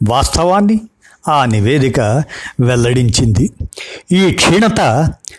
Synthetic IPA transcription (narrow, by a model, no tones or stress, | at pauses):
ʋaːst̪ʰɐʋaːnːi | aːniʋeːd̪ikɐʋɛlːɐɽiɲt͡ʃind̪iiːkʂiːɳɐt̪ɐ